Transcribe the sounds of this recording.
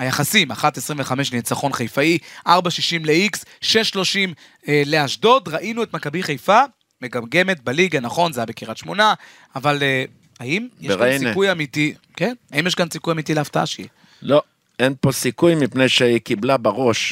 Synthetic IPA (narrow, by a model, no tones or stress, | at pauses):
hajaχasimaχat̪esʁiɱveχame̞ʃleet͡saχo̞nχejfaiʔaʁbaʃiʃimleiksʃe̞ʃːlo̞ʃim | le̞aʃdo̞d̪ʁaʔinue̞t̪makabiχejfa | me̞ɡamɡe̞me̞t̪̚baliɡanaχo̞nzajabe̞kiʁat̪ʃmo̞naː | vale | haimjeʃʁsikujamit̪i | kenaimjeʃkansikujamit̪ileaft̪aa̰ʃi | lo̞ | enpo̞sikujmipnejʃeikiblabaʁo̞ʃ